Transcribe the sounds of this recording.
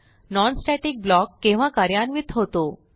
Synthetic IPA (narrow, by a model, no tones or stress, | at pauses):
nɔnsʈɛʈik̚blɔkːẽʋ̤akaɾjanʋit̪ʰɦot̪o